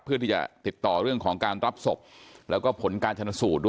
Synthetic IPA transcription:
pʰːɯ˥˩iː˥˩t͡ɕa̰˨˩t̪i˨˩t̪ːɔː˨˩ɾɯ˥˩əŋkʰɔː˩˦ŋkaː˧nɾa˦˥p̚so˨˩p̚lɛː˦˥wkɔː˥˩pʰo˩˦nkaː˧nt͡ɕʰa˧na˧˥suː˨˩t̪̚du˥˩

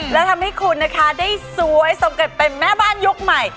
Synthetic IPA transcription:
lɛː˦˥wt̪ʰa˧mha˦˥˩jkʰu˧nːa˦˥kʰa˦˥daː˥˩jsu˦˥əjsa˨˩˦mke˨˩t̪̚pe˧nmɛː˥˩baː˥˩nju˦˥k̚ma˨˩j

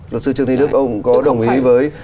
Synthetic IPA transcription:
lə˨˩sɨ˧t͡ɕɨ˧ŋt̪ʰi˧nɨ˦˥ək̚ʔə˧wŋ͡mkɔ˨˦ɗə˨˩wŋ͡mʔi˨˦vəː˨˦j

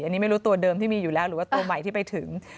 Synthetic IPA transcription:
ʔa˧nːiː˦˥ma˥˩jɾuː˦˥t̪u˧ɐdɤː˧mt̪ʰiː˥˩miː˧juː˨˩lɛː˦˥wɾɯː˩˦waː˥˩t̪u˧ɐma˨˩jt̪ʰiː˥˩pa˧jt̪ʰɯ˩˦ŋ

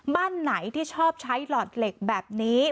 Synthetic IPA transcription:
baː˥˩nːa˩˦jt̪ʰiː˥˩t͡ɕʰɔː˥˩p̚t͡ɕʰa˦˥jlɔː˨˩t̪̚le˨˩k̚bɛː˨˩p̚niː˦˥

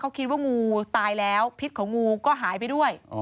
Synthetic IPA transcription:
kʰa˨˦˥wkʰi˦˥t̪̚waː˥˩ŋuː˧t̪aː˧jlɛː˦˥wpʰi˦˥t̪̚kʰɔː˩˦ŋuː˧kɔː˥˩ɦaː˩˦jp̬a˧jdu˥˩əj

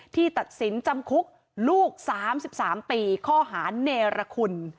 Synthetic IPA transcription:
t̪ʰiː˥˩t̪a˨˩t̪̚si˩˦nt͡ɕa˧mkʰu˦˥k̚ | luː˥˩k̚saː˩˦msi˨˩p̚saː˩˦mpiː˧kʰɔː˥˩ɦaː˩˦neː˧ɾa˧kʰu˧n

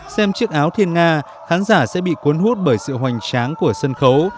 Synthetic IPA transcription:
sɛ˧mt͡ɕɨ˦˥ək̚ʔaː˨˦wt̪ʰi˧ənŋaː˧ | xaː˨˦nzaː˧˩sɛ̰˧˥ɓḭ˧˨ku˨˦ənɦu˦˥t̚ɓəː˧˩jsɨ̰˧˨ɦwa˨˩jŋ̟t͡ɕaː˨˦ŋku˧˩əsə˧nxə˨˦w

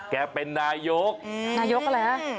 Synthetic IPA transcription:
kɛː˧pe˧nːaː˧jo˦˥k̚naː˧jo˦˥k̚ʔa˨ɾa˧jha˦˥

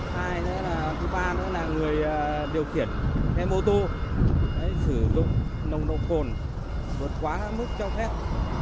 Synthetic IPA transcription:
haː˧jnɨ̰˧˥laː˨˩kɨ˨˦ɓaː˧nɨ̰˧˥laː˨˩ŋɨ˨˩əjːɗi˨˩əwxi˧˩ənk̪ɛ˧mo˧t̪o˧˨ | ʔa˨˦jsɨ˧˩zʊ̰˧˨ŋ͡mnə˨˩wŋ͡mno̰˧˨xo˨˩n | vo˨˩tkwaː˨˦mɨ˦˥k̚t͡ɕɔ˧wfɛ˦˥p̚

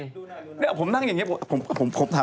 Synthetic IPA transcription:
nɛ˥˦˥pʰo˩˦mna˥˩ŋja˨˩ŋːi˦˥pʰpʰo˩˦mpʰo˨˩˦mpʰo˨˦mt̪ʰa˨˦

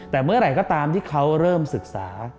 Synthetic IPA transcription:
t̪ɛː˨˩mɯ˥˩ɐɾa˧˩jkɔː˥˩t̪aː˧mt̪ʰiː˥˩kʰa˦˥wɾɤː˥˩msɯ˨˩k̚saː˩˦

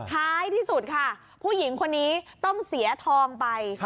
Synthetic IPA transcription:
t̪ʰaː˦˥jt̪ʰiː˥˩su˨˩t̪̚kʰa˥˩ | pʰuː˥˩ji˩˦ŋkʰo˧nːiː˦˥t̪ɔ˥˩ŋsi˨˩˦ɐt̪ʰɔː˧ŋpa˧j

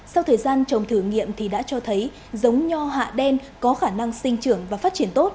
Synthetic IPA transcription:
sa˧wt̪ʰəː˨˩jzaː˧nt͡ɕə˨˩wŋ͡mt̪ʰɨ˧˩ŋḭ˧˨əmt̪ʰi˨˩ɗa̰ː˧˥t͡ɕɔ˧t̪ʰə˨˦j | zə˨˦wŋ͡mɲɔ˧ɦa̰ː˧˨ɗɛ˧nkɔ˨˦xaː˧˩na˧ŋsï˧ŋ̟t͡ɕɨ˧˩əŋvaː˨˩faː˦˥t̚t͡ɕi˧˩ənt̪o˦˥t̚

